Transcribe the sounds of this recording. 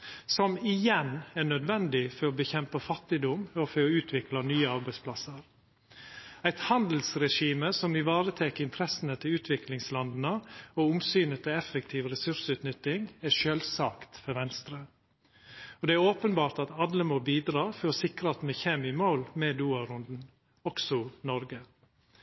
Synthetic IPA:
sɔmɪjɛnɛɳœd̪ʋɛnd̪ɪfɔɾɔbəçɛmpəfɑt̪ːɪd̪ʊmɔfɔɾɔʉːt̪ʰʋɪklɑnyːəɑɾbæɪspʰlɑsəɾ | æɪt̪hɑnd̪l̩sɾɛʂiːməsɔmɪʋɑːɾət̪ʰɛkəɪnt̪ʰɾɛsən̩ət̪ʰɪlʉːt̪ʰʋɪklɪŋslɑnd̪ənəoːʊmsyːnət̪ʰɪlɛfək̚t̪ʰiːʋɾɛsʉɾʂʉːt̪nʏt̪ːɪŋæʃøːlsɑːkt̪fɔɾʋɛnst̪ɾə | ɔd̪ɛæɾoːpənbɑːɾʈ̪ɑt̪ɑd̪ləmoːbiːd̪ɾɑːfɔɾɔsɪkɾɑt̪mɛçɛmɪmoːlmɛd̪uːɑɾʊnd̪n̩ | ɔksɔnɔɾɡə

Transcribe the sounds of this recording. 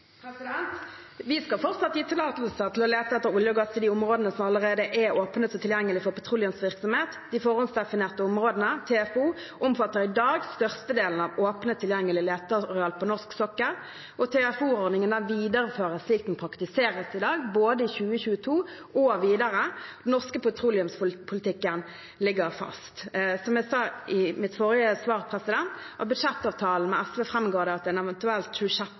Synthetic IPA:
psɪd̪ɛnt̪ | ʋɪskɑlfɔʁt̪sɑt̪ːiːt̪ʰɪlɑːt̪lsəʁt̪ʰɪlɔleːt̪əɛt̪ːəɾʊljəɡɑst̪ɪd̪iːʊmʁoːd̪ənəsɔmɑləɾeːd̪əʔɛoːpnət̪sɔt̪ʰɪljɛŋːəlɪfɔʁpʰɑt̪ʰʁʊlɪənsʋɪʁksɔmheːt̪d̪ɪfɔʁɔnsd̪ɛfɪneːʁt̪əʊmʁoːd̪ənət̪ʰɛɛfuː | ʔɔmfɑt̪ːəʁɪd̪ɑːɡst̪œʁst̪əd̪eːln̩ɑʋoːpnət̪ʰɪljɛŋːəlɪleːt̪əʁɔɑːlpʰɔnɔʁsksɔkːəʁ | ʔɔt̪ʰɛɑfuːʁɔʁd̪nɪŋənæʋiːd̪əɾəføːʁəsliːk̚t̪n̩pʰɾɑkt̪ɪseːʁəsɪd̪ɑːɡboːd̪əɪçʉːəçʉːət̪ʰuːʔɔʋiːd̪ɑʁəd̪nːɔʁskəpʊt̪ʰʁuːlɪʉmspʰʊlɪt̪ʰɪkːən | lɪɡəʁfɑ̰st̪sɔmjæsɑːɪmɪt̪fɔʁɪəsʋɑːʁpʰʁɛsɪd̪ɛnt̪ʔɑ̰t̪̚bʉd̪ʂɛt̪ːɑːʋt̪ʰɑːln̩mɛæsʋɛfɾɛmɡoːd̪ɛɑt̪ɛnɛʋɛnt̪ʉɛlt̪ʃʉʂɛt̪

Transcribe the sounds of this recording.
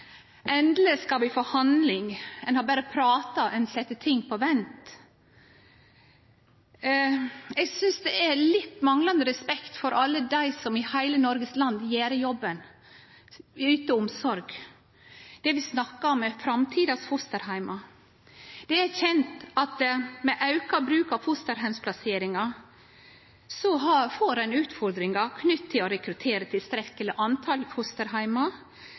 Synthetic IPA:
ʔɛnd̪ləskɑʋɪfoːhɑnd̪lɪŋɛnhɑbæːɾəpʰɾɑːt̪ɑʔɛnsɛt̪ːət̪ʰɪŋːpʰɔʋɛnt̪ | ɛɡsʏnsd̪ɛʔæɾlɪt̪ːmɑŋlɑnd̪əɾɛspɛkt̪fɔɾʔɑlːəd̪æɪsɔmɪhæɪlənɔɾɡəslɑnd̪jeːɾjɔbːən | yːt̪əʊmsɔɾɡ | d̪̥ɛʋɪsnɑkːɑɔmːɛfɾɑmt̪ʰiːd̪ɑsfʊst̪əɾhæɪmɑ | d̪̥ɛæɾçɛnt̪ɑt̪mɛʔɑʉkɑbɾʉːkɑʋfʊst̪əɾɦæɪmspʰlɑseːɾɪŋɑ | sɔɦɑfoːɾæɪnʉːt̪fɔɾd̪ɾɪŋɑkʰnʏt̪ʰːɪlɔɾɛkɾʉt̪ʰeːɾət̪ʰɪlst̪ɾɛkːələʔɑnt̪ʰɑlfʊst̪əɾɦæɪmɑ

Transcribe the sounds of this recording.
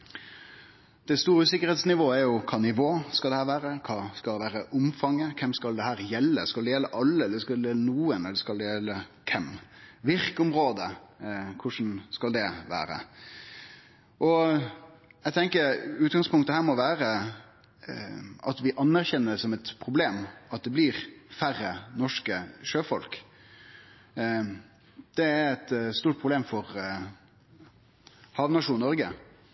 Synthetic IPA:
d̪̥ɛst̪uːɾəʉːsɪkːəɾɛɪt̪snɪʋoːæɾjʊkʰɑːnɪʋoːskɑld̪ɛhæːɾʋæːɾəkʰɑːskɑʋæːɾəʔʊmfɑŋːəkʰɛmskɑld̪ɛhæːɾjɛlːə̰skɑld̪ɛjɛlːəʔɑlːəɛlɛskɑd̪ɛɛlːənuːənɛld̪ɛskɑld̪ɛjɛlːəkʰɛmʋɪɾkəʊmɾoːd̪əkʰʊʂn̩skɑld̪ɛʋæ̰ːɾə̰ | ʔɔ | æɡt̪ʰɛŋkəɾʉːt̪ɡɑŋspʊŋkt̪əhæːɾmɔʋæːɾə | ʔɑt̪ʋɪʔɑnːæɾçɛnːəsɔmɛt̪pʰʁʊbleːmɑt̪̚d̪ɛblɪɾfærːənɔʂkəʂøːfɔlk | d̪̥ɛæɾɛt̪st̪uːʈ̚pʰʁʊbleːmfɔɾ | hɑːʋnɑʂuːnːɔɾɡə

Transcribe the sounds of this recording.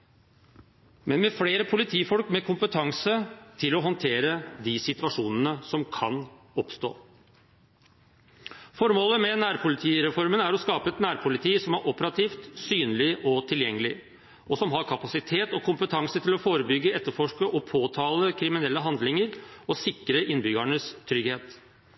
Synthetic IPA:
mɛnmɛfleːɾəpʰʊlɪt̪ʰiːfɔlkmɛkʰʊmpət̪ʰɑŋsət̪ʰɪlɔɦɔnt̪ʰeːɾəd̪ɪsɪt̪ʉʋɑʂuːnənəsɔmkʰɑ̰n | ɔpst̪o̰ː | fɔɾmoːləmɛnæːɾpʰʊlɪt̪ʰiːɾɛfɔɾmənæɾɔskɑːpəɛt̪næːɾpʰʊlɪt̪ʰiːsɔmæɾʔɔpəɾɑt̪ʰiːft̪syːnəlɪʔɔt̪ʰɪljɛŋːəlɪ | ɔsɔmɦɑɾkʰɑpɑsɪt̪ʰeːt̪ɔkʰʊmpət̪ʰɑŋsət̪ʰɪlɔfoːɾəbʏɡːəɛt̪ːəɾfɔʂkəʔɔpʰoːt̪ʰɑːləkʰɾɪmɪnɛlːəɦɑnd̪lɪŋəɾɔsɪkɾəʔɪnːbʏɡəɳəst̪ʰɾʏɡheːt̪

